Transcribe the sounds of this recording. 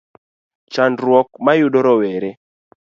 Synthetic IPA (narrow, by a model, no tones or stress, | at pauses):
t͡ʃandɾwɔk̚majudɔɾɔwɛɾɛ